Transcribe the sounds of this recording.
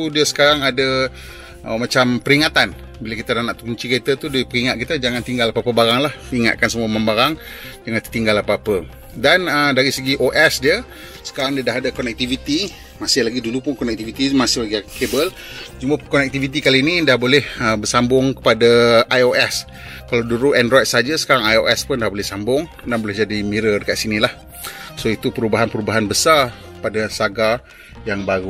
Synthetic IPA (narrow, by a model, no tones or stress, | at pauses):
udiəsə̥kaɾaŋadə | ʔəmat͡ʃampəɾiŋat̪an | bilakit̪anahnaʔt̪uɲt͡ʃiket̪ət̪udaipəɾiŋat̪̚kit̪əd͡ʒaŋant̪iŋɡalapapəbaɾaŋlahiŋa̰t̪̚kansəmuamambaɾaŋ | d͡ʒaŋãt̪u̥t̪iŋɡalapaapə | danədaɾisəɡiʔoʔɛsdiə | sə̥kaɾaŋdiədaɦadakɔnɛk̚t̪ivit̪i | masɪhlaɡidulupʊnkɔnɛk̚t̪ivit̪imasɪhlaɡikebəl | d͡ʒuməkɔnɛk̚t̪ivit̪̬ikaliːnĩdahbolɛhəbərsambʊŋkə̥padaʔajoʔɛs | kalawduɾuʔɛndɾɔjt̪̚saɦad͡ʒəsə̥kaɾaŋajoʔɛspʊndahbolɛhsambʊŋ | danbolɛhd͡ʒadimiɾədəkaʔ̪sinilah | soit̪upəɾubaɦanpəɾubaɦanbəsar | kə̥padasaɡa | jaŋbaɾu